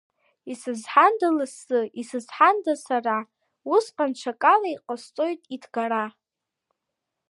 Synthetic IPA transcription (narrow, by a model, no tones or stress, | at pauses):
isɨzħandalɨsɨisɨzħandasara | usqʼanʈ͡ʂʷʰakʼalaiqʼast͡sʼo̞jtʼidʰɡaɾa